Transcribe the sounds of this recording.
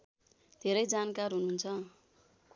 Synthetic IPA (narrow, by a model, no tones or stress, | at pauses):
d̪ʱeɾʌjd͡zankarɦununt͡sʰʌ